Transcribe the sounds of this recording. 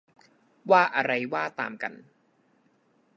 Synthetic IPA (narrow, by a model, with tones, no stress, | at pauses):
waː˥˩ʔa˧ɾa˧jwaː˥˩t̪a̰ː˧mka̰˧n